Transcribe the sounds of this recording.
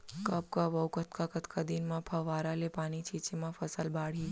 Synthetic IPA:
kəp̚kəbəwkət̪ʰkakət̪ʰkʰad̪inmãpʰəʋaːɾalepaːnit͡ʃʰit͡ʃemãfʰəsəlbaːɽ̤i

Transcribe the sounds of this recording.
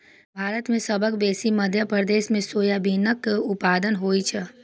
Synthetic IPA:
bʱaːɾət̪mẽsəbʱəkbeːsiməd̪ʱjəpɾəd̪eːsmẽsoːjabʱinəkʊpaːd̪ənɦoːit͡ʃʰə

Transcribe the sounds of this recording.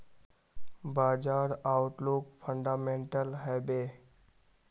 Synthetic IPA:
baːd͡ʒaːɾaːʊʈlokpʰə̃ɳɖaːmẽːɳʈəlɦɛːbeː

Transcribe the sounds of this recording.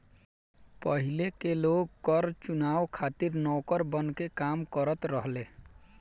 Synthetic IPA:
pəɦilekeloɡ̚kəɾt͡ʃunawkʰat̪iɾnɔkəɾbənkekamkəɾət̪ɾəɦle

